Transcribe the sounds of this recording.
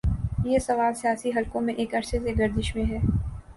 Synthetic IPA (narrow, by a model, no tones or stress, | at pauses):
jeːsɐʋaːlsijaːsiɦɐlkõmẽʔeːkɐɾseseɡɐɾd̪ɪʃmẽɦɛː